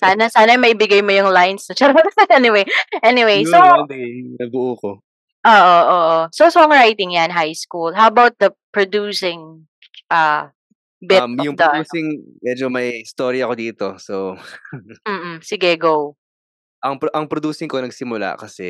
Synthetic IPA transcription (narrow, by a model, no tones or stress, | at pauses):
saːnɐsaːnɐjmɐʔɪbɪɡajmojʊŋlajnsɐt͡ʃɐɾoɛnɪwejʔɛnɪwejsowd̪nɐbʊʔuːko | ʔoːʔoʔoʔososoɐŋɹajt̪ɪŋjanɦajskulɦawɐbawt̪̚d̪ɐpɹod̪uːsɪŋ | ʔɐː | bɪmjʊpd̪ɐduːsɪŋ | mɛd͡ʒomɐjɪst̪oɾiɐkod̪iːt̪oso | m̩ːʔ̩sɪɡɛɡow | ʔɐŋpʔɐŋpɾod̪uːsɪŋkonɐɡ̚sɪmʊla̰kɐsɛ̰